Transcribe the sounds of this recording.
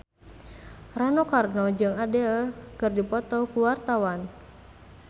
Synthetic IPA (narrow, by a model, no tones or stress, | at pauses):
ranɔkarnɔd͡ʒɨŋadɛkɨrdipɔt̪ɔkuwart̪awan